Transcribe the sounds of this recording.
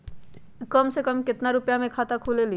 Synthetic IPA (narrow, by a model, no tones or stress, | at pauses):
kəmsekəmkɪt̪naɾʊpjamẽkʰat̪akʰuleli